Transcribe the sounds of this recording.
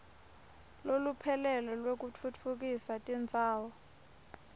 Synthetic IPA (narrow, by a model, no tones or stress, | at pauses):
lolupʰɛlɛlɔlwok̬ut͡fʰut͡fʰuk̬isatʼind͡zʱaːwɔ